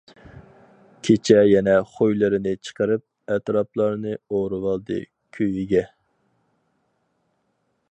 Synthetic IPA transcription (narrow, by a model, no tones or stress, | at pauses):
kʲʰet͡ʃʰɛjɛnɛχojlˠɨɾɨnɨt͡ʃʰə̥qəɾɨp̚ | ɛt̪ɾɑplˠɑɾnɨoɾɨwɑlˠd̪ɨ̰ | kʲʰøjiɡʲɛ